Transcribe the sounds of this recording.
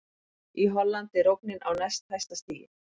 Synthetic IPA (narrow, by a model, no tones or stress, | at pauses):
iɦɔlːant̪ɪɾowknɪnʔawnajst̪hajst̪ast̪iːjɪ̰